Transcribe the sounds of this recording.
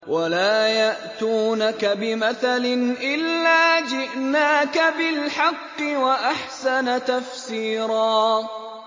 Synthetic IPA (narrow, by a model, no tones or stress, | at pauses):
walaːjaʔt̪uːnakabɪmaθalɪnʔɪlːaːd͡ʒɪʔnaːkabɪlħɑqːɪwaʔaħsanat̪afsiːɾɑː